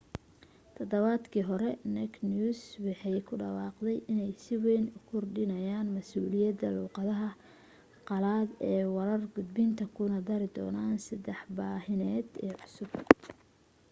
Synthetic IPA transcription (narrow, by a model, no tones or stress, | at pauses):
t̪ʰɐd̪ɐβaːd̪kʰiːɦɔɾɛnɛknuːswɑħɑjkʰʊɖɑwɑːqd̪ɛjʔɪnɛjsɪwɛjnʊkʰʊrɖɪnɐjaːnmɐsuːlɪjɐd̪ɐluːqɑðɐɦɐ | qɑlaːd̪ɛːwɐɾɐrɡʊd̪bɪnt̪ʰɐkʰʊnɐd̪ɐɾɪd̪ɔ̰ːnaːnsɐd̪ɛħbaːɦɪnɛːd̪ɛːʕʊsʊb̚